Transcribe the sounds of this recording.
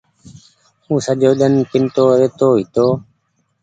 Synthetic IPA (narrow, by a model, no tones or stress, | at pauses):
ũːsəʄoːɗənpɪnt̪oːɾeːt̪oːɦɪt̪oː